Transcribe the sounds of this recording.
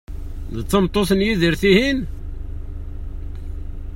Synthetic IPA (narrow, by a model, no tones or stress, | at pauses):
ðət͡s̪ːəmt̪ˤːoθənjiðiɾθihin